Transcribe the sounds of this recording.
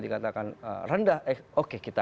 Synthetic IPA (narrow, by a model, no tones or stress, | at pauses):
dikat̪akanə̰rəndahʔɛkokekit̪a